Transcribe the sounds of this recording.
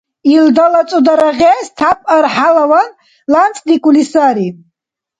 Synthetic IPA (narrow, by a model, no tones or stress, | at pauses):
ild̪alat͡sʼud̪aɾaʁɛst̪ʰapʼaɾħalawan | lant͡sʼd̪ikʼulisaɾi